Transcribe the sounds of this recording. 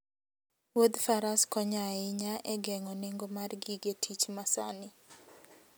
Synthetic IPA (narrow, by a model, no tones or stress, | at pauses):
wod̪faɾaskɔɲaɪɲaʔɛɡɛŋɔneŋɡomarɡiɡetʰit͡ʃmasa̰nɪ